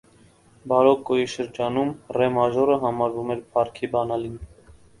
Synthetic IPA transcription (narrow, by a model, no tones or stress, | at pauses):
bɑɾɔkːɔjiʃəɾd͡ʒɑnumrɛmɑʒɔɾəɦɑmɑɾvumɛɾpʰɑɾkʰibɑnɑlin